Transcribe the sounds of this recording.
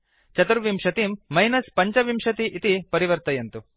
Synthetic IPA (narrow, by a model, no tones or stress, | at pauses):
t͡ʃɐt̪uɾʋimʂɐt̪imːɐjnɐspɐɲt͡ʃɐʋimʂɐt̪iʔit̪ipɐɾiʋɐɾt̪ɐjɐnt̪u